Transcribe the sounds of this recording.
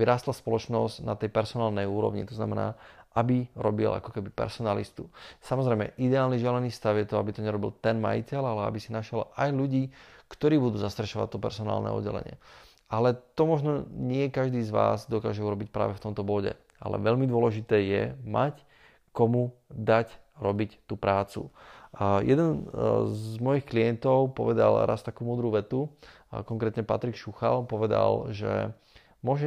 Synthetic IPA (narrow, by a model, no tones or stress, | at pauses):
iɾaːst̪laspɔlɔt͡ʃnɔzɟna̰t̪ɛjpɛɾsɔnaːlnɛjuːɾɔ̰ʋɲḭt̪ɔzna̰mɛna̰ːabiɾɔ̰bḭlʔa̰kɔkɛbipɛ̰ɾsɔnalḭst̪usamɔzɾɛjmɛ̰ʔid̪ɛaːlniʒɛlɛniːfst̪awʊjɛt̪ɔabit̪ɔɲɛɾɔbilt̪ɛnma̰jḭcɛlalɛa̰bisinaʃɪɛlajluɟiːkt̪ɔɾiːbud̪uːzast̪ɾɛʃɔʋa̰t̚t̪ɔpɛ̰ɾsɔna̰ːlnɛ̰ːɔ̰d̪ːɛ̰lɛ̰ɲɪɛ̰ | alɛt̪ɔmɔʒnɔɲɪɛkaʒd̪iːzʋa̰ːzd̪ɔkaːʒɛuɾɔbicpɾa̰ːʋɛft̪ɔmt̪ɔbɔɟɛ̰ | a̰lɛ̰ʋɛʎmid̪ʊɔlɛʒit̪ɛːjɛ̰ma̰c | kɔmud̪acɾɔbict̪uːpɾaːt͡sṵ | jɛd̪ɛnzmɔjixkliɛnt̪ɔʊpɔʋɛd̪a̰lɾʔa̰st̪akuːmuːd̪ɾuʋɛt̪u | kɔŋkɾɛːt̪ɲɛpa̰t̪ɾikʃuxalpɔʋɛd̪a̰lʒɛ̰ | mʊɔʒɛ